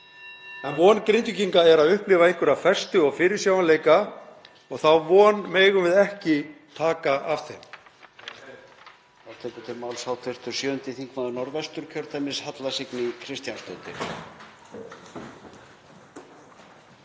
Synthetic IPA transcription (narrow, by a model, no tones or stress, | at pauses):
ɛnvɔːnkɾejnt̪ʏciŋkaɛɾaðʏhplɪːvaeŋ̥kʏɾafɛr̥st̪ʏɔɣfɪːɾɪɾ̥sjaːwanleːjka | ɔɣθawvɔːnmeːjɣʏvɪðɛhcɪt̪ʰaːkaʔavθejm | θawt̪ʰɛːkʏt̪ʰɪlmawlsawt̪ʰɛr̥t̪ʏ̥sjœːʏnt̪ɪθiŋkvaðʏnɔɾvɛst̪ʏɾ̥cʰœɾ̥t̪amɪnshat̪lasɪknɪkʰɾɪst̪janst̪œnt̪ɪ̰